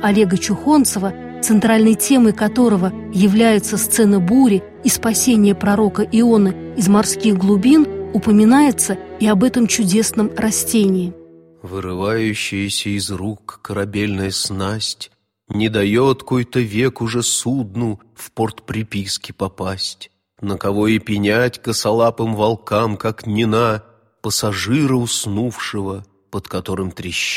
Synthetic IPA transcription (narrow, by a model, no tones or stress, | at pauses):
ɐlʲe̞ɡət͡ɕʊxo̞nt̪səvə | t̪sɨnt̪ɾalʲnəjtʲe̞məjkɐt̪o̞ɾəvə | jɪvlʲæjɪt̪səst̪sɛnəbuɾʲɪ | ispɐsʲenʲɪjəpɾɐɾo̞kəʔɪo̞nəɪzmɐrskʲixɡlˠʊbʲinʊpəmʲɪnajɪt̪səiɐbɛt̪əmt͡ɕʊdʲe̞snəmrɐsʲtʲenʲɪː | vɨɾɨvajʉɕːɪjəsʲəɪzrukːəɾɐbʲelʲnəjəsnasʲtʲ | nʲɪd̪ɐjot̪kojt̪əvʲekʊʐɛsud̪̚nʊ | fport̪pɾʲɪpʲiskʲɪpɐpasʲtʲ | nəkɐvo̞ɪpʲɪnʲatʲkəsɐlˠapɨmvɐlˠkamkaknʲɪna | pəsɐʐɨɾəʊsnufʂɨvə | pət̪kɐt̪o̞ɾɨmt̪ɾʲɪɕː